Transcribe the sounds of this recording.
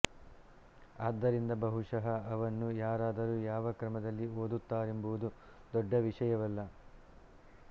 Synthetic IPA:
aːd̪ːɐɾind̪ɐbɐɦuʂɐɦɐːʋɐnːujaːɾaːd̪ɐɾuːjaːʋɐkɾɐmɐd̪ɐlːioːd̪ut̪ːaːɾe̞mbuʋud̪u | d̪ɔɖːɐʋiʂɐjɐʋɐlːɐ

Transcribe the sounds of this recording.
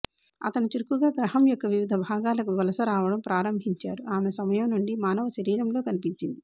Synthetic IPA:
ɐ̰t̪ɐnut͡ʃiɾkuɡaːɡɾɐɦɐmjɔkːɐʋiʋid̪ʱɐbʱaːɡaːlɐkuʋɐlɐsɐɾaːʋɐɽɐmpɾaːɾɐmbʱiɲt͡ʃaːɾuaːmesɐmɐjɐmnuɳɖimaːnɐʋɐʃɐɾiːɾɐmlo̞ːkɐnipiɲt͡ʃind̪i

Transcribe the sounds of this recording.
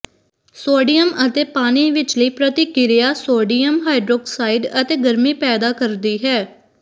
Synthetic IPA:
soːɖijəmət̪eːpaːniːʋɪt͡ʃləiːpɾət̪iːkɪɾɪjaːsoːɖiːjəmɦaːiɖɾoːksaːɪɖət̪eːɡəɾmiːpɛːd̪aːkəɾd̪iːɦɛː

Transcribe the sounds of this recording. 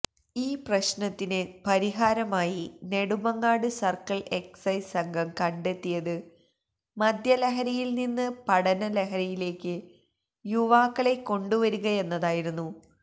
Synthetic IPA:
iːprɐɕnɐt̪ːinɨpɐɾiɦaːɾɐmaːjine̞ɽumɐŋːaːɽɨsɐrkɐɭe̞ksɐjsɐŋɡʱɐmkɐɳɖe̞t̪ːijɐðɨ | mɐd̪ʱjɐleɦɐɾɐjilninːɨpɐɽɐnɐleɦɐɾɐjile̞ːkʲːɨ | juʋaːkːɐɭe̞kːo̞ɳɖuʋɐɾuɣɐe̞nːɐðaːjiɾunːu

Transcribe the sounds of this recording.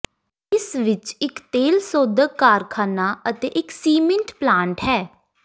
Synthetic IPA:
ɪsʋɪt͡ʃɪkt̪eːlsoːd̪əɡːaːɾkʰaːnaːət̪eːʔɪksiːmɪ̃ɳʈplaːɳʈɦɛː

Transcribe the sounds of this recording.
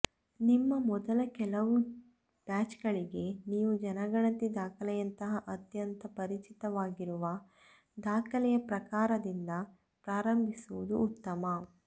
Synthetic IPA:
nimːɐmɔd̪ɐlɐkɛlɐʋu | b̥aːt͡ʃɡɐɭiɡe̞niːʋud͡ʒɐnɐɡɐɳɐt̪id̪aːkʰɐlɛjɐnt̪ɐɦɐʔɐt̪jɐnt̪ɐpɐɾit͡ʃit̪ɐʋaːɡiɾuʋɐ | d̪aːkʰɐlɛjɐpɾɐkaːɾɐd̪ind̪ɐ | pɾaːɾɐmbʱisuʋud̪uːt̪ːɐmɐ

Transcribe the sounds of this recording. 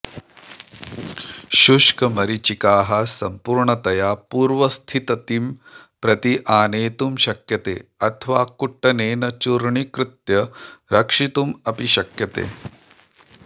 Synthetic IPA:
ʃuʂkɐmɐɾit͡ʃikaːɦɐsɐmpuɾɳɐt̪ɐjaːpuːɾʋɐst̪ʰit̪ɐt̪im | pɾɐt̪iʔaːneːt̪umʃɐkjɐt̪ḛːɐt̪ʰɐʋaːkuʈːɐneːnɐt͡ʃuɾɳikɾɪt̪jɐɾɐkʂit̪umɐpiʃɐkjɐt̪ḛː

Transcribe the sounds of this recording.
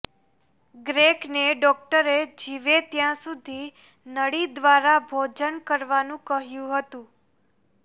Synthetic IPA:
ɡɾekneɖɔk̚ʈəɾed͡ʒiʋet̪jãsud̪ʱi | nəɽid̪ʋaɾabʱod͡ʒənkəɾʋanũkəɦjũɦət̪ũ

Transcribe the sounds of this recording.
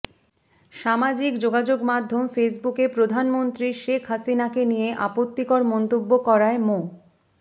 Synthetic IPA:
ʃamad͡ʑikd͡ʑoɡad͡ʑoɡmad̪ʱːomfes̬bukepɾod̪ʱanmont̪ɾiʃekʰɦasinakenijeʔapot̪ːikoɾmɔnt̪obːokɔɾaemo

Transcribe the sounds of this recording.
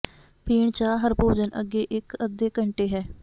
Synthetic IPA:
piːɳt͡ʃaːɦəɾpoːd͡ʒənʔə̰ɡːeːʔɪkəd̪eːkəɳʈeːɦɛː

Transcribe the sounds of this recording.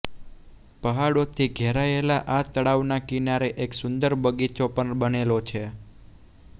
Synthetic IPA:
pəɦaɽot̪ʰiɡʱeɾaelaʔat̪əɽaʋnakinaɾeʔeksʊnd̪əɾbəɡit͡ʃopəɳbənelot͡ʃʰe

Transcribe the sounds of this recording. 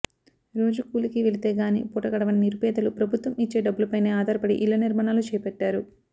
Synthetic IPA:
ɾo̞ːd͡ʒukuːlikiʋe̞lit̪eːɡaːnḭːpuːʈɐɡɐɽɐʋɐnniɾupɛːd̪ɐlupɾɐbʱut̪ʋɐmit͡ʃːe̞ːɖɐbːulɐpɐjneːaːd̪ʱɐɾɐpɐɽḭʔilːɐniɾmaːɳaːlut͡ʃɛːjɐpɛʈːaːɾu

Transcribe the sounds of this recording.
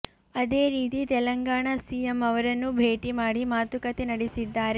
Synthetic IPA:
ɐd̪e̞ːɾiːt̪it̪ɛlɐŋɡaːɳasijemɐʋɐɾɐnːubʱe̞ːʈimaːɽimaːt̪ukɐt̪enɐɽisid̪ːaːɾe

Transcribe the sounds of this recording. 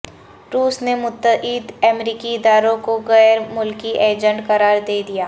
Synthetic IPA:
ɾuːsnemʊt̪ːəiːd̪ɛːmɾiːkiɪd̪aːɾõkoɣɛːɾmʊlkiʔeːd͡ʒə̃ɳʈkɐɾaːɾd̪eːd̪ijaː

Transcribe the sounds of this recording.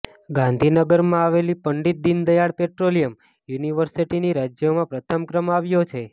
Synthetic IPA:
ɡãnd̪ʱinəɡəɾmãaʋelipəɳɖit̪̚d̪ind̪əjaɽpeʈɾolijəm | juniʋəɾsiʈiniɾad͡ʒjomãpɾət̪ʰəmkɾəmaʋjot͡ʃʰe

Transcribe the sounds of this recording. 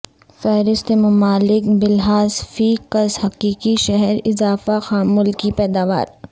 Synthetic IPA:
fɛɦɾɪst̪emʊmaːlɪkbɪlɦaːzfiːkɐzhɐqiːkiʃɛɦɛɾɪzaːfaxaːmʊlkipɛːd̪aːʋa̰ːɾ

